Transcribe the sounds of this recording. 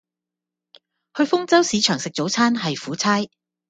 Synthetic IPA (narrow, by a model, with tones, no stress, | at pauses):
hɵ˧ɥfʊ˥ŋt͡sɐ˥wsiː˨˥t͡ʃʰœː˨˩ŋsɪ˨k̚t͡so˨˥wt͡sʰaː˥nɦɐ˨jfuː˨˥t͡sʰaː˥j